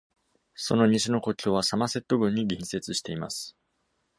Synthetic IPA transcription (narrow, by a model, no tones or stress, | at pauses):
so̞no̞ɲ̟iɕino̞ko̞kʲoːβasamase̞t̪ːo̞ɡɯ̟̃ɲ̟ːiɡʲĩɰ̃se̞t͡sɨɕi̥t̪e̞ima̰sɨ̥